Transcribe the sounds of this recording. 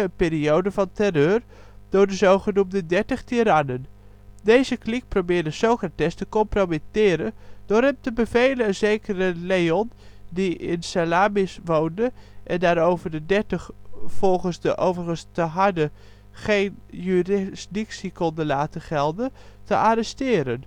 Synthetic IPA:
ənpɪːɾiowdəvɑntɛrøːr | d̥ʊːɹdəzowχənumdədɛɹtəχtiːɾanən | dejzəklik̚probɪːɹdəsowkratɛstəkɔmpromitɪːɾənd̥ʊɾɦɛmtəbəvejlənənzejkərəlejɔn | diɪ̰nsalaːmɪsʋowndəʔɛndaːɾowvəɹdədɛɹtəχfɔlˠχənzdəʔowvərχənstəɦɑdə | χejnjyrɪsdɪksikɔndənlaːtənχɛlˠdətəʔaɾɛstɪːɾən

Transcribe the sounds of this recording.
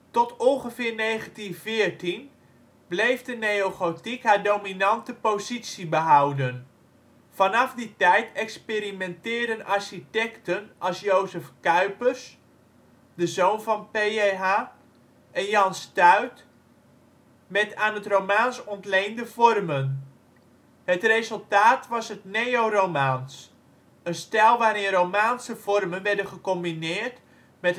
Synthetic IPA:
tɔtɔnχəvɪːrnejχəntinvɪːrtin | blejfdənejowχotikɦaɹdowminɑntəpozitsibəɦawdən | fɑnɑfditɛjtɛkspeɾimɛntɪːrdənaɹʃitɛktənʔɑlˠsjowzəfkœɥpərs | dəzownvɑnpeeɦaː | ʔɛnjɑnstœɥt | mɛtaːnɦətrowmaːnsɔntlejndəvɔrmən | hətrezɵlˠtaːtʋɑsətnejowromaːns | ənstɛlˠʋaːɾɪnrowmaːnsəvɔrmənʋɛɹdənχəkɔmbinɪːrt | mɛt

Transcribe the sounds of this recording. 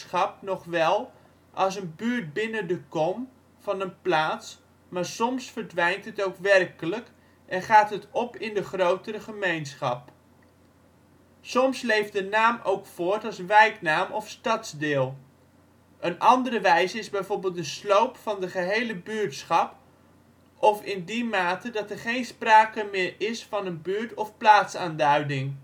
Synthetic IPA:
χɑp̚nɔχʋɛlˠ | ʔɑlˠs̬ənbyːɹt̚bɪnədəkɔm | v̥ɑnənplaːts | maːɹsɔmsfəɹdʋɛjntɦətowkʋɛrkələk | ʔɛnχaːtɦətɔpɪndəχrowtəɾəχəmejnsχɑp̚ | sɔmslejfdənaːmowkfʊːɹtɑlˠsʋɛjknaːmʔɔfstɑtzdɪːlˠ | ʔənʔɑndərəʋɛjzəɪzbɛjvoːɹbɪːlˠt̚dəslowpfɑndəχəɦejləbyːɹtsχɑp | ɔfɪndimaːtədɑtɛɹχejnspraːkəmɪːɹɪsfɑnənbyːɹtɔfplaːtsaːndœɥdɪŋ

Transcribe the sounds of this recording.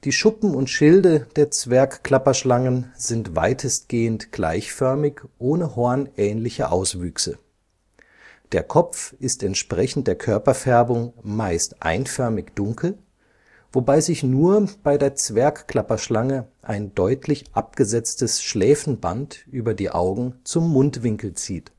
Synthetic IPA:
d̥iːʃʊpm̩ʊntʃɪldəd̥eːɐt͡sv̥ɛɐkkl̥apɐʃlaŋənzɪntv̥a̰ɪtʰəst̚ɡ̥eːəntɡ̥la̰ɪçfœɐmɪçʔoːnəhɔɐnʔɛːnlɪçɐʔaʊsv̥yːksə | d̥eːɐkʰɔp͡fɪstɛntʃpʁ̥ɛçn̩td̥eːɐkʰœɐpɐfɛɐbʊŋmaɪstʔa̰ɪnfœɐmɪçd̥ʊŋkl̩ | vobaɪzɪçnuːɐb̥aɪdeːɐt͡sv̥ɛɐkkl̥apɐʃlaŋəʔaɪndɔʏtʰlɪçʔap̚ɡ̥əzɛt͡stəsʃlɛːfn̩bantʔyːbɐdiːʔa̰ʊɡŋ̩t͡sʊmːʊntv̥ɪŋkl̩t͡siːt

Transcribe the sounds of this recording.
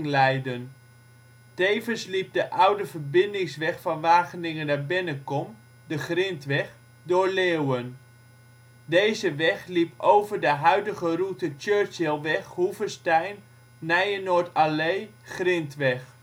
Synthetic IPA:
ŋlɛjdən | tejvənslip̚dəʔawdəvəɹbɪndɪŋsʋɛχfɑnʋaːχənɪŋənaɹbɪnəkɔm | dəχrɪntʋɛχ | doɹleːwən | dejzəʋɛχlipʰowvəɹdəɦœɥdəɣərutət͡ʃøːɹt͡ʃelˠʋɛχhuvəstɛjnː | ɛjənoːɹtaleːχrɪntʋɛχ

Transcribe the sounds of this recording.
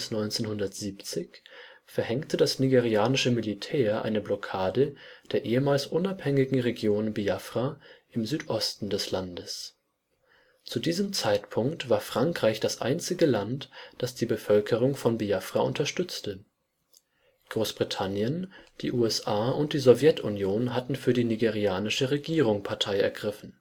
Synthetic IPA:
snɔʏnt͡seːnhɦʊndɐtz̥iːpt͡sɪçfɛɐhɛŋtʰədasniɡeʁiaːnɪʃəmilitʰɛːɐʔa̰ɪnəblɔkʰaːdəd̥eːɐʔeːəmaːlsʔʊnaphɛŋɪɡŋ̩ʁeɡjoːnəbiafʁ̥aʔɪmzyːtʔɔstn̩dɛslandəs | t͡sudiːzəmt͡saɪtpʰʊŋktv̥aːɐfʁ̥aŋkʁ̥aɪçd̥asʔa̰ɪnt͡sɪɡəlantd̥asd̥iːbəfœlkʰəʁ̞ʊŋfɔnbiafʁ̥aʔʊntɐʃtʏt͡stʰə | ɡ̥ʁoːsb̥ʁitʰanjənd̥iːʔuːɛsʔaːʔʊnt̚d̥iːzɔvjɛtʰʊnjoːnɦatn̩fyːɐdiːniɡeʁiaːnɪʃəʁeɡiːʁʊŋpʰaɐtʰaɪɛ̰ɐɡʁɪfn̩

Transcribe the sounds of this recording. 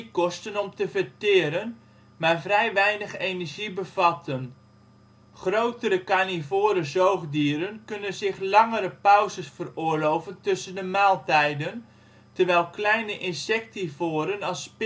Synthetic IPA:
kɔstənɔmtəvətɪːɾən | maːɹvrɛjʋɛjnəχejnəɹʒibəvɑtʰən | χrowtəɾəkanivoːɾəzowχdiːɾənkɵnənzɪχlɑŋəɾəpœwzəsfərʊːɹlowvəntɵsəndəmaːlˠtɛjdən | təɹʋɛjlˠklɛjnəʔɪnsɛk̚tivoːɾənɑlˠsp

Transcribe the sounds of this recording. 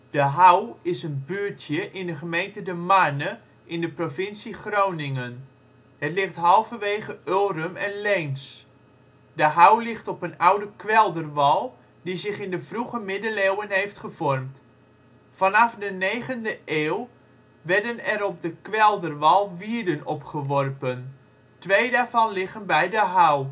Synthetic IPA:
d̥əɦawɪsənbyːtʰjəʔɪndəχəmejntədəmanə | ʔɪndəprofɪnsiχrownɪŋən | hətlɪχtɦɑlˠfəʋeːχəølˠrəmɛnlejns | dəɦawlɪχtɔpənawdəkʰʋɛlˠdərʋɑlˠ | dizɪχɪndəvruχəmɪdəlewənɦejftχəvɔrmt | fɑnɑfdəneːχəndəʔeːw | ʋɛɹdənɛɾɔp̚dəkʋɛlˠdərʋɑlˠʋiədənɔpχəʋɔrpən | tʋejdaːɹvɑnlɪχənbɛjdəɦaw

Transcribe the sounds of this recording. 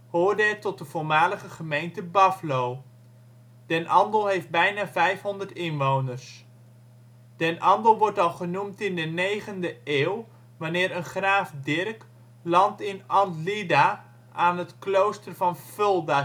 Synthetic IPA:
hoːrdɛtɔt̚dəv̥ʊːɹmaːləχəχəmejntəbɑflow | d̥ɛnʔɑndəlˠɦejfd̚bɛjnaːvɛjfɦɔndərtɪnʋownərs | d̥ɛnʔɑndəlˠʋɔrtɑlˠχənumtɪndənejχəndəeːw | ʋanɪːɾənχraːfdɪrk | lɑntɪnɑnlida | ʔaːnətklowstərvɑnfølˠda

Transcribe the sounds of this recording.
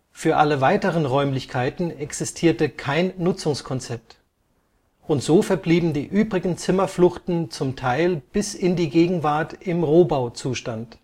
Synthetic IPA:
fyːɐʔaləvaɪtəʁ̞ənʁɔʏmlɪçkʰaɪtn̩ɛksɪstʰiːɐtəkʰaɪnːʊt͡sʊŋskʰɔnt͡sɛp̚t | ʔʊntz̥oːfɛɐbliːbm̩diːʔyːbʁɪɡŋ̩t͡sɪmɐflʊxtn̩t͡sʊmtʰaɪlb̥ɪsɪndiːɡeːɡŋ̩vaɐtɪmʁoːbaʊt͡suːʃtant

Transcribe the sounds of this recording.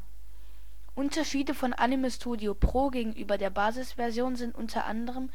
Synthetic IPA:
ʔʊntɐʃiːdəfɔnʔa̰niməstʰuːdiopʁ̥oːɡeːɡŋ̩ʔyːbɐdeːɐbaːzɪsv̥ɛɐzjoːnzɪntʔʊ̰ntʰɐ̰ʔa̰ndəʁ̞əm

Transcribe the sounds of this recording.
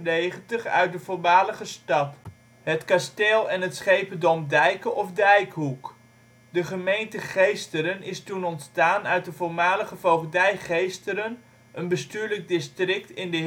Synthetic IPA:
nejχəntəχœ̰ɥt̚dəvʊɹmaːləχəstɑt | ɦətkasteːlˠɛnɦətsχejpədɔmdɛjkəʔɔfdɛjkɦuk | dəχəmejntəχejstəɾənɪstunɔntstaːnœɥt̚dəvoɹmaːləχəvowvədɛjχejstəɾən | ʔənbəstyːɹlək̚dɪstrɪk̚tɪndə

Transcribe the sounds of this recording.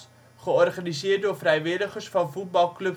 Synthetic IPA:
χəɔrχanizɪːərdʊːrfrɛjʋɪdəχərsfɑnfut̚bɑlˠklɵp

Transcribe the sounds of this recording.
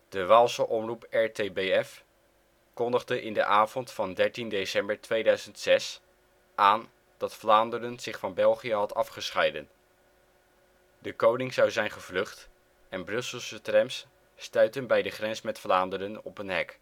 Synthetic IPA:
d̥əʋaːlˠsəʔɔmrupɛɹtejbeɛf | kɔndəχdəʔɪndə̰ʔaːvɔntfɑndɛɹtindejsɛmbəɹtʋejdœɥzəntsɛs | ʔaːn | d̥ɑtflaːndəɾənz̥ɪχfɑnbɛlˠχiəɦɑtɑfχəsχɛjdən | dəkownɪŋzɑwzɛjnχəvlɵχt | ɛnbrɵsəlˠsətrɛmsː | tœɥtənbɛjdəχrɛnsmɛtflaːndəɾənɔpənɦɛk

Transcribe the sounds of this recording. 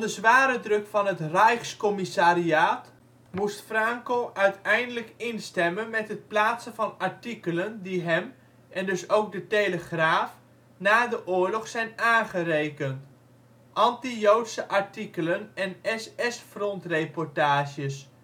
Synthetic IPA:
dəzʋaːɾədrɵkfɑnɦətrɛjχskɔmisaːɾiaːt | mustfrɑŋkowʔœɥtɛjndələkɪnstɛmənmɛtɦət̚plaːtsəvɑnɑɹtikələndiɦɛm | ʔɛndɵsowɡ̚dətejləχraːf | naːdəʔʊːɹlɔχsɛjnaːnχərejkənt | ʔɑntijowtsəʔɑɹtikələnɛnɛsɛsfrɔntrejpɔɹtaːʒəs

